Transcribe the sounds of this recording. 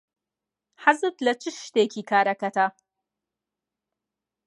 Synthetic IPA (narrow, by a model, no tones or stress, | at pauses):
ħazɨt̪lɐt͡ʃɪʃt̪eːkʲiːkaːɾɐkɐtaː